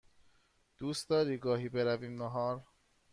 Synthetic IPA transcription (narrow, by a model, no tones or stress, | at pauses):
d̪̥uːst̪d̪ɒːɾiːɡɒːɦiːbeɾæviːmnɔɦɒːɾ